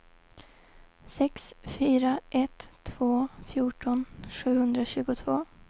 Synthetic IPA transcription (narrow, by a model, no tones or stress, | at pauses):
sɛksfyːɾaʔɛt̪ʰːv̥oːfjuːʈɔnʂʉ̟ːhɵnd̪ɾaɕʉ̟ːɡʊt̪ʰvoː